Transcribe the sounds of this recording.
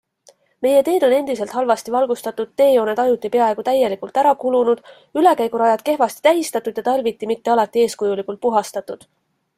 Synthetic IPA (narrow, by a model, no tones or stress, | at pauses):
me̞je̞t̪e̞ːd̪̥o̞ne̞nd̪̥ise̞lt̪hɑlvɑst̪ivɑlɡust̪ɑt̪ːud̪̥̚t̪ːe̞ːjo̞ːne̞d̪̥ɑjut̪ːˑipe̞ɑe̞ɡ̥ut̪æje̞likult̪æɾɑkulunud̪̥ | yle̞kæjɡuɾɑjɑd̪̥ke̞hvɑst̪i̥t̪æɦist̪ɑt̪ːˑud̪̥jɑt̪ɑrvit̪ːimit̪ːe̞ɑlɑt̪ːˑie̞ːskujulikult̪̚puɦɑst̪ɑt̪ːˑud̪̥